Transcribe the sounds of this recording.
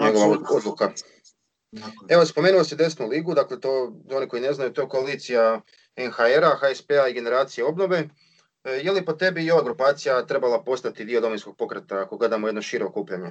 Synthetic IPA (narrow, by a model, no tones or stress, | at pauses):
ɲeɡo̞ʋaod̪lˠuka | e̞ʋo̞spo̞menuosid̪e̞snuliːɡud̪aklet̪o̞ːo̞niko̞ine̞znajut̪o̞ko̞aliːt̪sija | enxaeɾaxaespeaiɡe̞ne̞ɾaːt̪sije̞o̞bno̞ʋe̞ | jelipot̪e̞bio̞ʋaɡɾupaːt̪sijat̪ɾe̞balapo̞st̪at̪id̪io̞d̪ominsko̞ɡ̚po̞kɾet̪aako̞ɡle̞d̪amoje̞d̪noʃiːɾoːkuːpʎaɲe